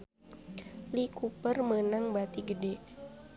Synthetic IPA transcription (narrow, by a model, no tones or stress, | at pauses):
likupərmənaŋbat̪iɡədɛ